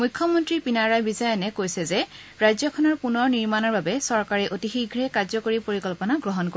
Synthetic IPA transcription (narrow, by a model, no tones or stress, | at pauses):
mujkʰːjɔmɔntɹipinaɹajbizajɔnɛkojsɛzɛ | ɹajzɔkʰɔnɔɹpunɔɹniɹmanɔɹbabɛsɔɹkaɹɛʔotixiɡʱɹɛkazɔkoɹipoɹikɔlpɔnaɡɹɔɦɔnko